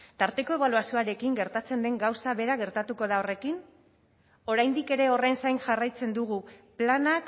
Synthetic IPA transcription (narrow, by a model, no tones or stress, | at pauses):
t̪aɾt̪e̞ko̞e̞βaluasioaɾe̞kiŋɡe̞ɾt̪at͡se̞nd̪e̞ŋɡawsaβe̞ɾaɣe̞ɾt̪at̪uko̞ð̞ao̞re̞kin | o̞ɾajnd̪ike̞ɾe̞o̞rensajnʝarajt͡se̞nd̪uɣ̞uplanak